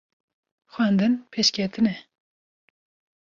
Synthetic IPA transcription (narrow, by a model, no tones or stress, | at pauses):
xwɛnd̪ɨnpʰeʃkʲʰɛt̪ʰɨnɛ